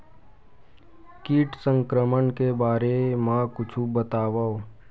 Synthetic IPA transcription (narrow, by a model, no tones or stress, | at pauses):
kiːʈsə̃ŋkɾəmənkebaːɾemãkʊt͡ʃʰubət̪aːʋao